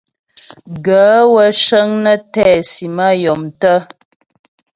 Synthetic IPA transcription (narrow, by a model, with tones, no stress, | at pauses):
ɡə˨˦wə˦ʃə˦ŋnə˦tɛː˦˨si˨ma˦jɔ˨mtə˦